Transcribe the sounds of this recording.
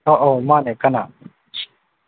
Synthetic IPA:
oːʔoːmãːneːkɐna̰ː

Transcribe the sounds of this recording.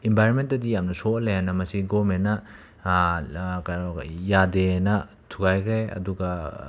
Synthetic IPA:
imbʱajɾonment̚dɐdijamnɐsolejanɐmɐsiɡomennːɐ | jadenɐ | tʰuɡajkʰɾeɐ̰duɡɐ

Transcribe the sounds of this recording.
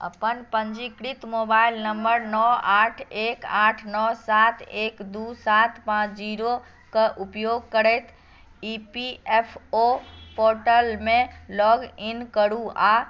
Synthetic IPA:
ə̰pənpəɲd͡ʒikɾit̪mobailnəmbəɾnɔaʈʰekaʈʰnɔsat̪ʰekd̪usat̪pãt͡ʃʰd͡ʒiɾo | kəʔupjoɡ̚kəɾɛjt̪ʰ | ipiepʰopoɾʈəlmẽlɔɡinkəɽua

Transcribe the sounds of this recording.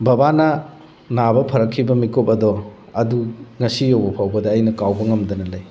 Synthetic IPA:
bɐbanɐ | nabɐpʰɐɾɐkʰːibɐmikopɐdɔ | ɐduŋɐsijowbɐpʰawbɐdɐːjnɐkawbɐŋɐmdɐnɐlɐj

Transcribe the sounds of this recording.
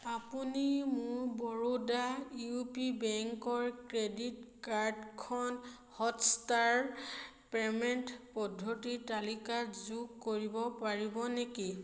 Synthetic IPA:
apunimʊɹbɔɹodajupibɛŋkɔɹkɹeditkaɹdkʰɔn | hɔtstaɹ | pɛmɛntpɔdʱːotitalikatzuɡkoɹibɔpaɹibɔneki

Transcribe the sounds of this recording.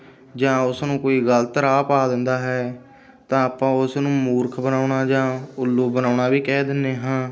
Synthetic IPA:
d͡ʒãːʊsnũːkoːiːɡəlt̪əɾaːpaːd̪ɪnd̪aːɦɛː | t̪ãːaːpãːʊsnũːmuːɾkʰbənaːʊɳaːd͡ʒãːʊlːuːbənaːʊɳaːʋiːkɛːd̪ɪnːeːɦãː

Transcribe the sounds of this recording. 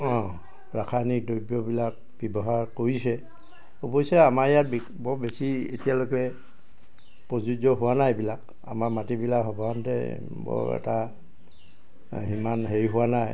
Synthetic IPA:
ɔ̃ | ɹakʰanik̚dojbjɔbilak̚ | b̥ɔbɔɦaɹkoɹisɛ | obojsɛamaɹjat̚b | bɔbesiḛtijalokɛ | pɹɔzud͡ʒɔɦʊwanajbilak | a̰maɹmatibilakɦɔbɔantɛ̰ | bɔ̰ɛ̰ta | ɦimanɦeɹiɦʊwanaj

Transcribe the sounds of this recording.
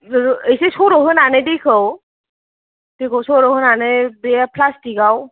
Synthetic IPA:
ejsesɔɾɔɦɯnanɯdikʰɯw | d̥ekʰɔwsɔɾɔhɯnanɯbeapʰlastiɡaw

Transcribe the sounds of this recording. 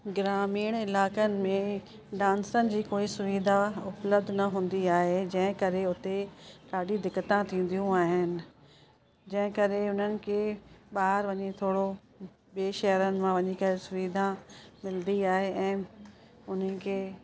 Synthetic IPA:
ɡɪɾaːmiːɽ̃ɪlaːkənɪ̆mẽ | ɖãːnsənɪ̆d͡ʑiːkoːisʊʋiːd̪ʱaʊpləbd̪ʱnɐɦũːn̆d̪iaːɦed͡ʑɐ̃ɦɪ̃kɐɾeʊt̪ekaːɖid̪ɪkːət̪ãt̪ʰĩːn̆d̪ijũaːɦɪnɪ̆ | d͡ʑɐ̃ɦɪ̃kɐɾeʊn̤ənɪ̆kʰeːɓaːɦɾʋɐɲet̪ʰoːɽo | beʃɐɦəɾənɪ̆mãʋɐɲikɐɾesʊʋiːd̪ʱãmɪlnd̪iaːɦeʔɛ̃ː | ʊn̤ənɪ̆kʰeː

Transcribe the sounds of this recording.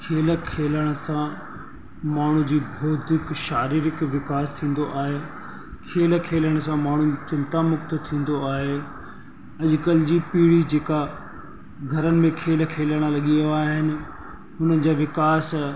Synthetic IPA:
kʰeːləkʰeːləɽ̃əsã | maːɳ̤ũd͡ʑiːbʱoːd̪ʱɪkʃaːɾiːɾɪkʋɪkaːst̪ʰĩːn̆d̪oʔaːɦeː | kʰeːl̆kʰeːləɽ̃̆sãmaːɳ̤ut͡ɕɪ̃nt̪amʊkt̪ʊ̆t̪ʰĩːn̆d̪oaːɦe | ɐʄkəld͡ʑiːpiːɽid͡ʑeːka | ɡʱɐɾənɪ̆mẽkʰeːl̆kʰeːləɽ̃əlɐɠioaːɦɪnɪ̆ | ɦʊnənɪ̆d͡ʑaːʋɪkaːs

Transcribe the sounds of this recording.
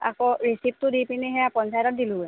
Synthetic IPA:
a̰kɔɹisip̚tʊdipiniɦɛjapɔnsajtɔt̚diluɛ

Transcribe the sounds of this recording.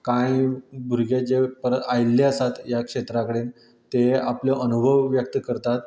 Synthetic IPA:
kãjbʱuɾɡed͡ʑepəɾət̪ajlːeəsat̪jakʂet̪ɾakəɽen | t̪eapljɔʔənubʱəʋːjək̚t̪kəɾt̪at̪

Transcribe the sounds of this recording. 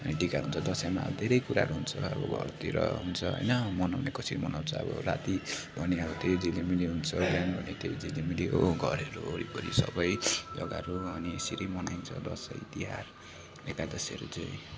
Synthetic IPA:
ʌniʈikaɦunt͡sʰʌd̪ʌsamabd̪ʱeɾʌjkuɾaɦʌɾuɦunt͡sʰʌʌbʌbʱʌ̰rt̪iɾʌ̰ɦunt͡sʰʌɦʌ̰jnʌmʌnawnekʌsʰiɾimʌnaw̃nt͡sʰʌʌ̰bʌ̰ɾa̰t̪ibʱʌneʌbʌt̪ejd͡zilemileɦunt͡sʰʌɡanbʱʌnet̪ejod͡zilemiliɦoɡʱʌɾeɾuoɾipʌɾisʌ̰bʌjd͡zʌɡaɾuʌnisiɾimʌnajnt͡sʰʌ̰d̪ʌsʌjt̪iɦaɾ | ekad̪ʌsiʌɾṵt͡saĩ

